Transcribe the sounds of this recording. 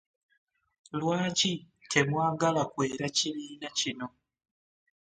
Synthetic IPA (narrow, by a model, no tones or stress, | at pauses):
lwaːci | kʰe̞mwaːɡalakwe̞ːɾaciβiːnacino̞